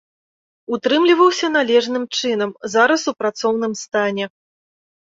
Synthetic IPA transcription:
ut̪ɾɨmlʲivɐwsʲɐnalʲɛʐnɨmt͡ʂɨn̪ɐmzaɾɐsupɾat̪sɔwnɨmst̪anʲɛ

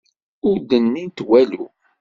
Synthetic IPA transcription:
ʊɾd̪ənːint̪wælṵ

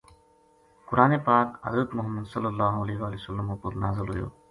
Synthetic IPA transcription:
kʊɾaːnepaːkɦɐ̰zɾət̪mʊɦəmːəd̪sɐlːəlːaːɦuɐleːɦeʋaːlijosɐlːəmupəɾnaːzəlɦʊjo̰ː

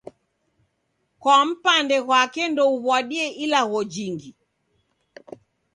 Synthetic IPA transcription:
kwam̩pandɛɣwakɛndɔuβwaɗiɛʔilaɣɔd͡ʒiŋɡi

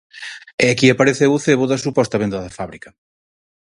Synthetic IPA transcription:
ɛakiapaɾeθewθeβoðɐsupɔst̪ɐβend̪ɐðɐfaβɾikɐ

